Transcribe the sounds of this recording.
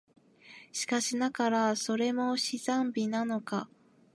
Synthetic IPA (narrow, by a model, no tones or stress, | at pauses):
ɕi̥kaɕinakaɾaso̞ɾe̞mo̞ɕizãmbʲinano̞ka